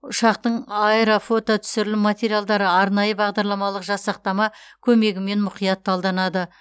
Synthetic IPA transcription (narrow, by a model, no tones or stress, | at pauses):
ʊʃɑq̚t̪əɴɑeɾofo̞t̪ot̪ʰʏ̥sɪɾɪlɪmat̪ʲe̞ɾijalˠd̪ɑɾəɑɾnɑjəbɑʁd̪ɑɾlˠɑmɑlˠəqʒɑsɑq̚t̪ɑmɑkʲʰɵme̞ɡʲɪme̞nmʊqijɑt̪ːɑlˠd̪ɑnɑd̪ə